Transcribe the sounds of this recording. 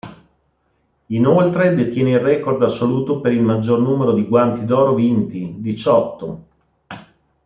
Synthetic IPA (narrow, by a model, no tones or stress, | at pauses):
inolt̪ɾed̪et̪jɛːneirːɛkord̪asːoluːt̪opeɾilmad͡ʒːornuːmeɾod̪iɡwant̪id̪ɔːɾovint̪id̪it͡ʃɔt̪ːo